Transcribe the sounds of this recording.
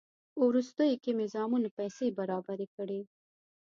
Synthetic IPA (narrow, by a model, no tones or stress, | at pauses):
uɾust̪əjokemezɑːmunapɛjsebaɾɑbaɾekəɽe